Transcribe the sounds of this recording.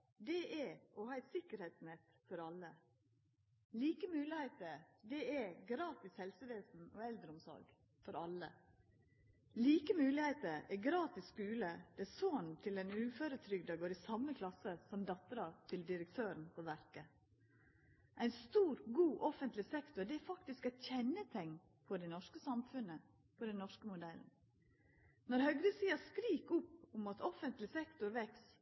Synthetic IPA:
d̪ɛʔɛɔhɑːæɪsɪkəɾheɪt̪snɛt̪ | fɔɾɑlːə | liːkəmʉːlɪhæɪt̪əd̪ɛɛɡɾɑːt̪ɪshɛlsəʋeːsn̩ɔɛld̪ɾəʊmsɔ̰ɾɡ | fɔɾɑlə | liːkəmʉːlɪhæɪt̪əɛɡɾɑːt̪ɪsːkʉːləd̪̥ɛɛsoːnnt̪ʰɪlɛnʉːføːɾət̪ʰɾʏɡd̪ɑɡoːɾisɑmːəkʰlɑsəsɔmd̪ɑt̪əɾɑt̪ʰɪld̪ɪɾək̚t̪ʰøːɾənpʰɔʋæɾkə | ʔæɪnst̪uːɾɡuːʔɔfənt̪lɪsɛkt̪ʊɖ̪ɛæɾfɑkt̪ɪskæɪt̪çɛnːət̪ʰɛŋː | pʰɔd̪ɛnɔʂkəsɑmfʉnə | pʰɔd̪ɛnɔʂkəmʊd̪ɛln | nɔɾhœɡɾəsiːɑskɾiːkʊpʊmɑt̪ɔfənt̪lɪsɛkt̪ʊɾʋɛks

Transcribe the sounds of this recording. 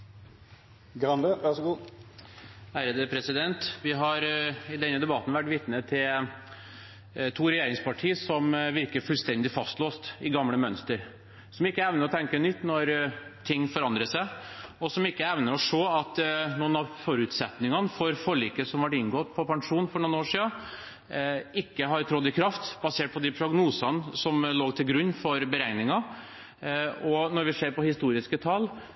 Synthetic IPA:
ɡɾɑnd̪əʋɑʂɡuː | hæːɾəd̪əpʰɾɛsɪd̪ɛnt̪ʋɪɦɑɾɪd̪ɛnːəd̪ɛbɑt̪n̩ʋæʈːʋɪt̪nət̪ʰɪl | t̪ʰuːɾɛjeːɾɪŋspʰɑʈʰiːəsɔmʋɪɾkəɾfʉlst̪ɛnd̪ɪfɑst̪loːst̪ɪɡɑmləmœnst̪əɾ | sɔmɪkːəɛʋnəɾɔt̪ʰɛŋkənʏt̪ːnɔɾt̪ʰɪŋːfɔɾɑnd̪ɾəsæɪɔsɔmɪkːəɛʋnəɾɔʂoːɑt̪nuːnɑʋfɔɾʉːt̪sɛt̪nɪŋɑnəfɔɾfɔɭiːkəsɔmʋɑʈɪŋɡoːt̪pʰɔpʰɑŋʂuːnfɔɳuːnoːʂiːə | ɪkːəɦɑɾt̪ʰɾɔd̪ɪkʰɾɑft̪bɑseːʈ̚pʰɔd̪ɪpʰɾʊɡnuːsɑnsɔmloːɡt̪ʰɪlɡɾʉnːfɔɾbəɾɛŋnɪŋɑ | ɔnɔɾʋɪseːɾpɔhɪst̪uːɾɪskət̪ʰɑl

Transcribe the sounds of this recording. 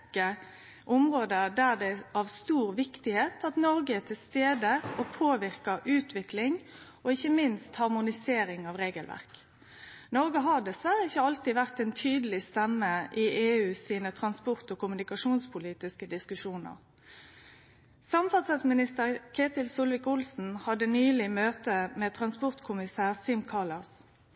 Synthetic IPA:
kə | ʔʊmʁoːd̪əd̪æʁd̪ɛɑʋst̪uːʁʋɪkt̪ɪheːt̪ʰɑt̪nɔɾɡəɛt̪ʰɪlst̪eːd̪əopʰoːʋɪʁkɑʔʉːt̪ʰʋɪklɪŋ | ɔɪçːəmɪnst̪hɑʁmʊnɪseːɾɪŋɑʋʁeːɡəlʋæ̰ʁk | nɔɾɡəɦɑd̪ɛsʋæʁəɪçːəɑlt̪ɪʋæʁt̪ɛnt̪ʰyːd̪əlɪst̪ɛmːəʔɪʔeːʉːsiːnət̪ʰʁɑnspɔʁt̪oːkʊmʉnɪkɑʂuːnspʰʊliːt̪ɪskəd̪ɪskʉʃuːnə̰ʁ | sɑmfɑsɑsmɪnɪst̪əʁkʰeːt̪ɪlsuːlʋɪkʊlsn̩hɑd̪ənyːlɪmøːt̪əmɛt̪ʰʁɑnspɔʁt̪kʰʊmɪsæːʁsɪmkʰɑʁlɑs

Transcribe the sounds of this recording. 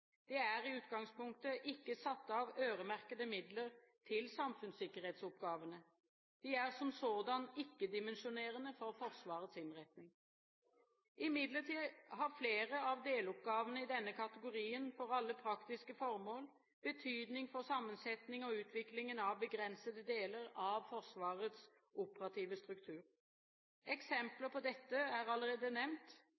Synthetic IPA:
d̪̥ɛæʁɪʉːt̪ɡɑŋspʊŋk̚t̪əʔɪkːəsɑt̪ːəɑʋøːɾəmæʁkəd̪əmɪd̪ləʁt̪ʰɪlsɑmfʉnsɪkːəɾheːt̪sɔpɡɑːʋənə | d̪̥iæʁsɔmsoːd̪ɑnɪkːəd̪ɪmɛnʃʊneːʁənəfɔʁfɔʁsʋɑːʁət̪sɪnʁɛt̪nɪŋ | ʔɪmɪd̪ləʁʈ̪iːhɑʁfleːʁəɑʋd̪eːlʊp̚ɡɑːʋənəɪd̪ɛnːəkʰɑt̪əɡʊɾiːənfɔɾɑlːəpʰɾɑkt̪ɪskəfɔʁmoːl | b̥ət̪ʰyːd̪nɪŋfɔʁsɑmːənsɛt̪nɪŋɔʉːt̪ʰʋɪklɪŋənɑʋbəɡʁɛnsəd̪əd̪eːləɾɑʋfɔʁsʋɑːʁət̪s | ʔʊpəɾɑt̪ʰiːʋəst̪ɾʉkt̪ʰʉːʁ | ɛksɛmpləpʰɔd̪ɛt̪ːəæʁɑləɾeːd̪ənɛmnt̪

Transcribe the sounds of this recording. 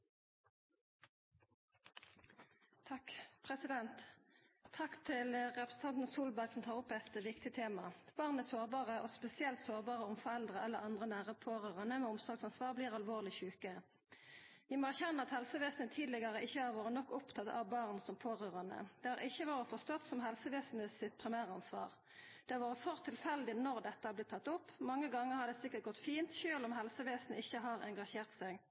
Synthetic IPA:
t̪ʰɑkpʰʁɛsɪd̪ɛnt̪ʰː | ɑkt̪ʰɪlʁɛpʁəsən̩t̪ʰɑnt̪nsuːlbæʁɡsɔmt̪ʰɑːʁʊpːɛt̪ʋɪkt̪ɪt̪ʰeːmɑb̥ɑːʁnæsoːʁbɑːʁəʔoːspɛsɪɛlt̪soːʁbɑːʁəʊmfɔʁɛld̪ʁəʔɛlːəʁɑnd̪ʁənæːʁəpʰoːʁøːʁɑnəmɛːʊmsɑːɡsɑnsʋɑːʁbliːʁɑlʋoːʁlɪçʉːkə | ʋɪmoːæʁçɛnːəɑt̪hɛlsəʋeːsn̩ət̪ʰiːd̪lɪɡəʁəʔɪçːəhɑɾʋoːɾənɔkːʊpt̪ʰɑt̪ɑ̰ʋbɑːʁnsɔmpʰoːʁøːʁɑnə̰d̪̥ɛːhɑʁʔɪçːəʋoːʁəfɔst̪ɔt̪sɔmɦɛlsəʋeːsn̩əsɪt̪̚pʰʁɪmæːʁəɑnsʋɑ̰ːʁ | d̪̥ɛɑʋɑːʁəfœʁt̪ʰɪlfɛld̪ɪnɔʁd̪ɛt̪ːəhæb̪ɪt̪ʰːɑt̪ːʊpːmɑŋːəɡɑŋːəʁhɑd̪ɛːsɪkːəʁt̪̚ɡɔt̪ːfiːnt̪çøːlɔmɦɛlsəʋeːsnəɪçːəɦɑːʁɛŋɡɑʃeːʁt̪sɛɡ

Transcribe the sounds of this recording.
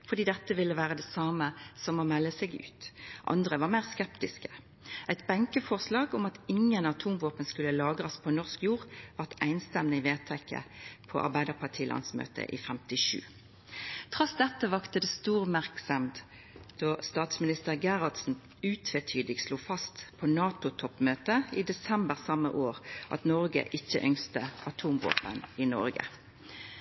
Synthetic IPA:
fɔʁd̪iːd̪ɛt̪ːəʋɪlːəʋæːʁəd̪ɛsɑːməsɔmomɛlːəsɛɡʉ̰ːt̪ʔɑ̰nd̪ʁəʋɑʁmæɪʁskɛpt̪ɪskə | ʔæɪt̪bæŋkəfɔʁslɑːɡʊmɑt̪ɪŋːənɑt̪ʰuːmʋoːpənskʉlːəlɑːɡʁɑspʰɔnɔʁskjuːʁʋɑʁt̪æɪnst̪ɛmnəɪʋeːt̪ʰɛkːə̰pʰɔ̰ʔɑ̰ʁbæɪd̪əʁpʰɑʈʰiːlʔɑ̰nsmø̰ːt̪ʰə̰ʔḭfɛmt̪ɪʂʉ̰ː | t̪ʰʁɑsd̪ɛt̪ːəʋɑkt̪əd̪ɛːst̪uːʁmæʁksəm | d̪̥ɑːst̪ɑːt̪smɪnɪst̪əʁɡæʁɑld̪sn̩ | ʉːt̪ʰʋet̪ʰyːd̪ɪɡsluːfɑst̪pʰonɑːt̪ʊt̪ʰɔpːmøːt̪əid̪ɛsɛmbəʁsɑmːə̰ʔoːʁʔɑ̰t̪nɔʁɡə̰ʔɪçːə̰ʔœŋst̪əʔɑt̪ʰuːmʋo̰ːpə̰nɪnɔ̰ʁɡə̰

